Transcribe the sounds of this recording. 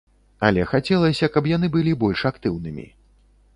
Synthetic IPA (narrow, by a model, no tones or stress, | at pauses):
ɐ̰lʲɛxat͡sʲɛlˠɐsʲɐkɐpjanɨbɨlʲibɔlʲʂakt̪ɨwnɨmʲḭ